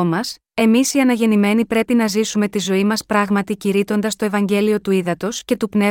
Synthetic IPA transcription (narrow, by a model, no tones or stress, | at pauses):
mɐs | e̞misiɐnɐʝe̞nime̞nipɾe̞pinɐzisume̞t̪izo̞imɐspɾɐɣmɐt̪iciɾit̪o̞nd̪ɐst̪o̞evɐɲɟe̞lio̞t̪uiðɐt̪o̞sce̞t̪upne